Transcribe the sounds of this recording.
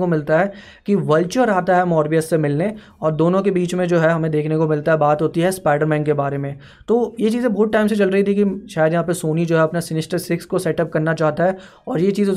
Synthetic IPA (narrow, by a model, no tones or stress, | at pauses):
komɪlt̪aɦɛ | kiʋɐlt͡ʃəɾaːt̪aɦɛmɔːɾʋijəsːemɪlne | ɔːɾd̪oːnõkebiːt͡ʃmẽd͡ʒoːɦɛɦɐmẽd̪eːkʰnekomɪlt̪aɦɛbaːt̪ɦoːt̪iɦɛspaːɪɖəɾmɛ̃ːŋɡkːebaːɾemẽ | t̪oːjet͡ʃiːzẽbɔːt̪̚ʈaːɪms̬et͡ʃɐlɾəɦit̪ʰikiʃaːjəd̪jɐɦãːp̬ɐsoːnid͡ʒoːɦɛɐpnasɪnɪsʈəɾsɪkskosɛʈɐp̚kɐɾnat͡ʃaːɦt̪aɦɛ | ɔːɾjet͡ʃiːz